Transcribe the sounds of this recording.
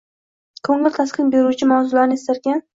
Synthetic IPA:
kʰɵŋɪlʲt̪ʰasqʰɨnbeɾut͡ʃʰɪmawzʊlaɾnɪest̪aɾkʲan

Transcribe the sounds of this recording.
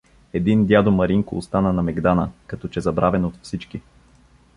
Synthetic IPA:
ɛd̪ind̪ʲjad̪omɐɾiŋkoːst̪anənɐmɛɡd̪anəkɐt̪ɔt͡ʃɛzɐbɾavɛnot̪fsit͡ʃki

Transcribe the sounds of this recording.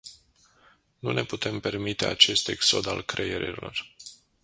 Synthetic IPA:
nune̞put̪e̞mpe̞rmit̪e̞a̰t͡ʃe̞st̪e̞kso̞d̪alkɾejeɾilo̞̰r

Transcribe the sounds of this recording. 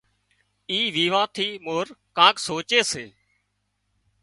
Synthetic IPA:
iːʋiːʋãːt̪ʰiːmoːɾkãːksoːt͡ʃeːseː

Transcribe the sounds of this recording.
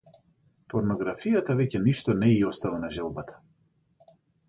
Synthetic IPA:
pɔɾnɔɡɾafijat̪avɛcɛniʃt̪ɔnɛiɔst̪avanaʒɛlˠbat̪ʰḁ

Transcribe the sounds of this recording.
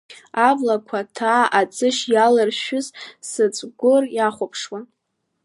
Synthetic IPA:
ablakʷʰatʰaːat͡sʼɨʃjalɨrʃʊzsɨt͡sʷʼɡʷʊrjaχʷʊpʰʂwa

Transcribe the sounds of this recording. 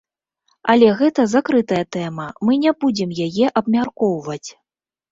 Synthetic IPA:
ɐlʲɛɣɛt̪ɐzakɾɨt̪ɐjɐt̪ɛjmɐmɨnʲabud͡zʲɛmjajɛʔɐbmʲarkɔwvɐt͡sʲ

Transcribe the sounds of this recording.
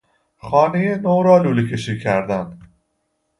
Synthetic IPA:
xɒːnejenowɾɒːluːlecʰeʃiːcʰæɾd̪ænd̪̥

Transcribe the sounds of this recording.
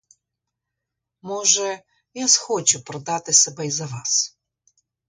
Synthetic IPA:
mɔʐɛ | jasxot͡ɕʊpɾɐd̪at̪ɨsʲɐbɐjzɐvas

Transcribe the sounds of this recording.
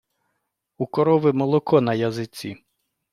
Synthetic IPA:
ukɔɾɔʋɪmɔlˠɔkʰɔnɐjɐzɪt͡sʲi

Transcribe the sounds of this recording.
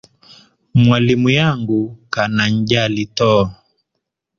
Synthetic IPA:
mwalimujaŋɡukanaɲd͡ʒalitɔ

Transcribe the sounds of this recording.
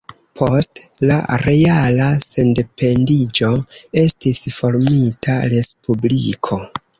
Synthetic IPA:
pʰo̞stla̰ɾe̞alase̞nde̞pʰe̞ndid͡ʒo̞e̞stisfo̞ɾmitʰaɾe̞spublikʰo̞

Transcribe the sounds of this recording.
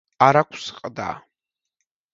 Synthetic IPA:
aɾakʷʰsɨ̥qʼəd̪a̰ː

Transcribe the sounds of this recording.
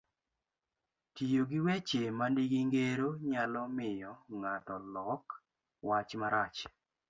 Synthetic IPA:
tijoɡiwet͡ʃemandiɡiŋɡeɾoɲalɔmɪjɔŋatɔlɔk | wat͡ʃmaɾat͡ʃ

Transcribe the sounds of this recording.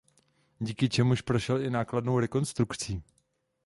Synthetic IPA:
ɟiːkɪt͡ʃɛmuʃpɾo̞ʃɛlɪnaːkladnowɾɛko̞nst̪ɾukt͡siː

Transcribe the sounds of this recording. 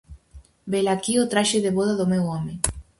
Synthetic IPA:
belakiot̪ɾaʃeðeβoðaðomewɔme

